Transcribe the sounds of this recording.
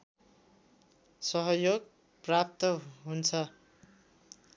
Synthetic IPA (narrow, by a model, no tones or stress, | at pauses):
sʌɦʌjoɡ | prap̚t̪ʌɦunt͡sʰʌ